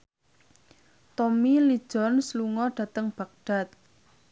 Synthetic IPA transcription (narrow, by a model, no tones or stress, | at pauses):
t̪omili̥ʒ̥ɔ̤nsluŋɔɖ̥ä̤t̪əŋb̥a̤k̚ɖ̥a̤t̪̚